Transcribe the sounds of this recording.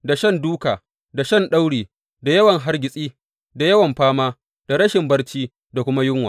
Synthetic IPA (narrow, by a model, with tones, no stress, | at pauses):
da˨ʃɐ˦nduː˦kaː˨ | da˨ʃɐ˦nɗa˦wɽiː˨ | da˨jɐ˦wɐ˨ŋɦa˦rɡʲɪ˨sʼiː˦ | da˨jɐ˦wɐ˨mɸaː˦maː˦ | d̥a˨ɾɐ˦ʃɪ˨mbɐ˦rt͡ʃiː˦ | da˨kʷʊ˦ma˦jʊ˦ŋwaː˨